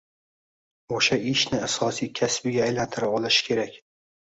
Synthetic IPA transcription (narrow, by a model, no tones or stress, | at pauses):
oʃaɪʃnɪasɒsijkʲʰasbɪɡʲaːjlant̪ʰɪɾaɒlˠɪʃɪ̥kʲʰe̞ɾakʲ